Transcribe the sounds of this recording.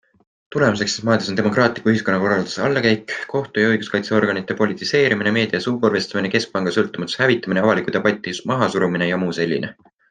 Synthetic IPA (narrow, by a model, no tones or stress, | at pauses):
t̪ule̞mus̬e̞ksesmɑːd̪esone̞mo̞krɑːt̪ˑlikuyhiskonːɑko̞rɑld̪u̥sɑlːɑkæjkko̞ht̪ujɑɤjɡ̥uskɑjt̪se̞o̞rɡ̥ɑnit̪ːˑe̞po̞lʲit̪ːˑise̞ːɾimineme̞ːd̪̥iɑsuːborve̞st̪ɑmineke̞sk̚pɑŋɡ̥ɑsɤlt̪ːˑumɑt̪ːˑu̥shævit̪ːˑɑmineɑvɑlikˑut̪ɑb̥ɑjt̪ːˑijust̪mɑɦɑsuɾuminejɑmuːse̞lʲːḭne̞